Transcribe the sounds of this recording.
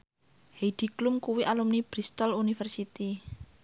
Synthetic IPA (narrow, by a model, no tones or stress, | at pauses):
hed̪̥i̤klumkuwiʔalumnib̥ɾist̪ɔlunifɛrsit̪i